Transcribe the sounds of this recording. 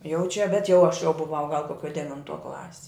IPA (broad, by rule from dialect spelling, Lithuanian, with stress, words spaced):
jɛʊ t͡ʃʲɛ bʲɛt jɛʊ ɐʃ jɛʊ bʊˈʋɐʊ ɡɐlˠ koːˈkʲoː dʲɛʋʲɪnˈtuɔ ˈklˠɑːsʲɪ